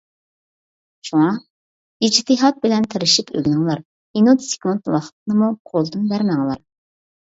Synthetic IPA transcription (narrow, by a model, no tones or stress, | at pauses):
ʃuŋɑ | id͡ʒt̪ɨɦɑt̪̚bɪlɛnt̪ʰeɾɪʃipʰø̰ɡʲnɨŋlˠɑɾ | inut̪sɪ̥kʲmunt̪wɑχə̥t̪̚ʰɨnɨmuqʰolˠd̪ɨnbæɾmæŋlˠɑɾ